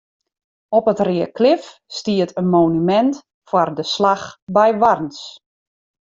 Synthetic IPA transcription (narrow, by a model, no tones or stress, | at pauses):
ɔpətrɪəkʰlɪfstiətʰənmoːnymɛnt | fardəslaxbɛjʋarns